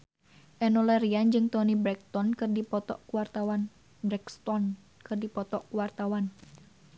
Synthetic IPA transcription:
ʔɛnɔlɛɾiand͡ʒɨŋt̪ɔnibɾɛk̚t̪ɔnkɨrdipɔt̪ɔ̰ʔkuwart̪awan | bɾɛkst̪ɔn | kɨrdipɔt̪ɔʔkuwart̪awan

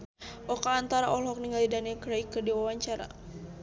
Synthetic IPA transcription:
ʔɔkaːnt̪aɾaʔɔlɦɔk̚niŋɡalidanɛkɾaikːərdiwawaɲt͡ʃaɾa̰

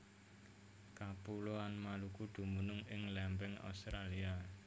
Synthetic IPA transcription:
kapuloanmalukud̪̥ṳmunʊŋɪŋlɛmpɛŋa̰ust̪ɾalia

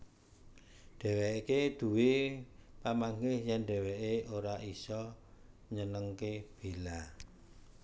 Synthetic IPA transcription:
ɖ̥ɛ̤weiked̪̥ṳwepamaŋɡɪhjanɖɛ̤wɛʔeoɾaʔisɔɲənəŋkeb̥e̤la

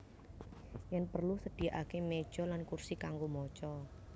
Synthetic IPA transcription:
janpərlusəd̪̥i̤aʔakemed̥ʒ̥ɔ̤lankursikaŋɡomɔt͡ʃɔ

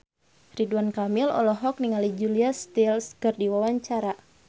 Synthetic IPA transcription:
riduankamilɔ̰lɔɦɔk̚niŋalid͡ʒuliast̪ilskɨrdiwawaɲt͡ʃaɾa

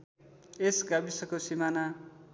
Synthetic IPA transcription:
esɡabisʌkosimana

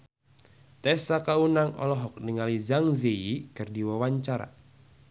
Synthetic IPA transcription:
t̪ɛsakaunaŋɔ̰lɔɦɔk̚niŋalizaŋzeikɨrdiwawaɲt͡ʃaɾa̰

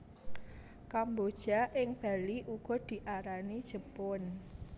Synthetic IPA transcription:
kambod̥ʒ̥a̤ʔɪŋb̥a̤liʔuɡ̥ɔ̤d̪̥i̤ʔaɾanid̥ʒ̥əpʊn

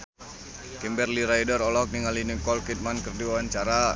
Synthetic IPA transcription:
kɛmbɛrliɾaidəɾɔlɔk̚niŋaliniŋkɔlkit̪̚mankərduwaant͡ʃaɾa

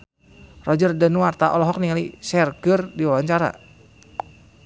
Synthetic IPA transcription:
rɔd͡ʒərdɛnuart̪aʔɔlɔɦɔk̚niŋalisɛrɡərdiwawaɲt͡ʃaɾa̰

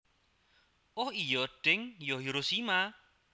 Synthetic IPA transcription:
ʔohijɔɖ̥ɪŋjɔɦiɾosima

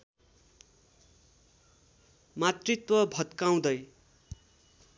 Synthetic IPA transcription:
mat̪rit̪wʌbʱʌt̪kaw̃d̪ʌj

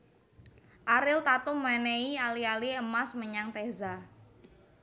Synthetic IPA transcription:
ʔaɾɪlt̪at̪ʊmmaneialialiəmasməɲaŋt̪ɛza

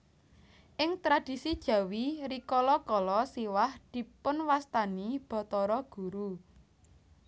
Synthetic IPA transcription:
ʔɪŋt̪ɾad̥i̤sid̥ʒ̥ä̤wiɾikɔlɔkɔlɔsiwahd̪̥i̤pʊnwast̪anib̥ɔ̤t̪ɔɾɔɡ̥ṳɾu

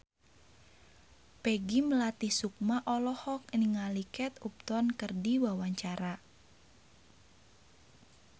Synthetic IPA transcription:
peɡiməlat̪ihsuk̚maʔɔlɔhɔk̚niŋalikɛt̪up̚t̪ɔnkərdiwawaɲt͡ʃaɾa

